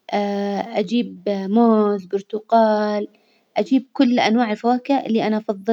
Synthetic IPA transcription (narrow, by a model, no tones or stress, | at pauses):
ʔaʔad͡ʒiːbmoːzɡʊɾt̪ʊqɑːl | ʔad͡ʒiːb̚kʊlːʔanwaːʕɪlfawaːkɪʔaʔɪlːiʔanaʔɑfɑðˤːɨ